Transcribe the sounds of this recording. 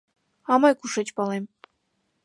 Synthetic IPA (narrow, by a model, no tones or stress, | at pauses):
ɑmɤjkuʂĕt͡ɕpɑlˠem